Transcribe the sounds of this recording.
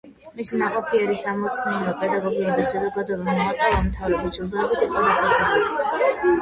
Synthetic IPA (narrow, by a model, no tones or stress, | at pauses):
misinaqʼɔpʰiɛɾisamɔt̪sʰniɛɾɔpʼɛd̪aɡɔɡiud̪aʃazɔɡad̪ɔbɛmɔat̪sʼɛlanmt̪ʰavɾɛbist͡ʃʰʼuɾd̪ɛbit̪ʰiqʼɔd̪apʰasaχɛli